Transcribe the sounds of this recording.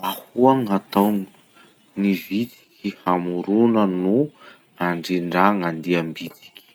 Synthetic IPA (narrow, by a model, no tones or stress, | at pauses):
ahuaŋat̪owŋi | nivit̪i̥kʲihamuɾunənu | aɳɖ͡ʐiɳɖ͡ʐaŋand̪iambit̪i̥kʲi̥